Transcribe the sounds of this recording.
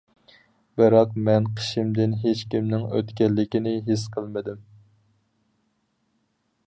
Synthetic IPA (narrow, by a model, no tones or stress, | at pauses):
bɨɾɑqmɛnqʰə̥ʃimd̪ɪnɦet͡ʃkʲimnɪŋø̰t̪kʲɛlːɪkʲinɪɦisqʰəlˠmɨd̪ɪm